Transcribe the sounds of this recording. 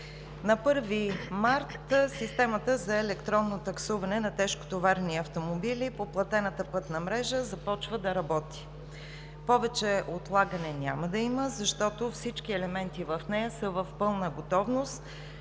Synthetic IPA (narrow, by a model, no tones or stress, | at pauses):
nɐpɤɾvimaɾt̪sist̪ɛmət̪əzɐɛlɛkt̪ɾɔnːot̪ɐksuvɐnɛnɐt̪ɛʃko̥t̪ovaɾniɐft̪omobilipoplˠɐt̪ɛnət̪əpɤt̪nɐmɾɛʒəzɐpɔt͡ʃvəd̪ɐɾɐbɔt̪i̥ | pɔvɛt͡ʃɛot̪lˠaɡənɛnʲa̰məd̪ɐiməzɐʃt̪ɔt̪ofsit͡ʃkiɛlɛmɛnt̪ivɐfnɛjəsəvəfpɤlˠnəɡot̪ɔvnost̪